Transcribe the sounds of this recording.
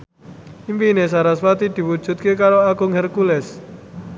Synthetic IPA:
impinesaɾaswat̪id̪̥i̤wud̥ʒ̥ṳt̪̚kekaɾoaɡ̥ʊŋhɛrkulɛs

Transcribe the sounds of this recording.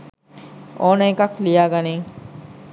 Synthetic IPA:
ʔoːnɐekɐklijaːɡɐneːŋ

